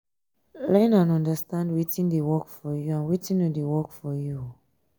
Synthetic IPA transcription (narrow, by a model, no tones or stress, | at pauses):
lɛnãnɔ̃ndəstãndwitĩndewɔkfɔjuãnwitĩnodewɔkfɔju